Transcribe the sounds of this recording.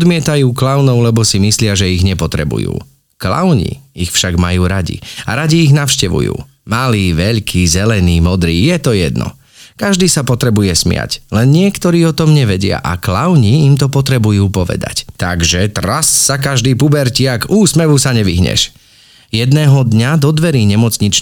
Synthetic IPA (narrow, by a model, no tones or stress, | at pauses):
ɔd̪mɪɛt̪ajuːklaʊnɔʊlɛbɔsimislɪaʒɛiɣɲɛpɔt̪ɾɛ̰bṵjṵː | kla̰ʊɲḭixfʃaɡmajuːɾaɟḭa̰ɾaɟiːɣnaʊʃcɛʋṵjṵː | maliːʋɛʎkʰiːzɛlɛniːmɔd̪ɾiːjɛt̪ɔjɛd̪nɔ̰ | kaʒd̪iːsapɔt̪ɾɛbujɛsmɪa̰clɛnɲɪɛkt̪ɔɾiːɔt̪ɔmɲɛʋɛɟɪa̰ʔaklaʊɲiimt̪ɔpɔt̪ɾɛbujuːpɔʋɛ̰d̪a̰ct̪aɡʒɛt̪ɾasːak̬aʒd̪iːpubɛɾcɪakuːsmɛʋusaɲɛʋḭɦɲɛ̰ʃ | jɛd̪nɛːɦɔd̪ɲad̪ɔd̪ʋɛɾiːɲɛmɔt͡sɲit͡ʃ